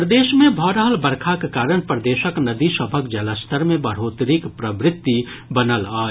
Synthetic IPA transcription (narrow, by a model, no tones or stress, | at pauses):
pɾd̪eːʃmẽbʱɔːɾaɦəlbəɾkʰakekaːɾəñpɾəd̪eːʃəknəd̪isəbʱək̚d͡ʒələst̪ʰəɾmẽbɐɾ̤oːt̪ɾikpɾɐbɾɪt̪ːi | bənəlaː